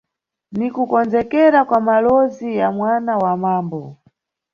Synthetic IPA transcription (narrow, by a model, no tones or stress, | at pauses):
nikukɔnzɛkɛɾakwamalɔzijamwanawamaːmbɔ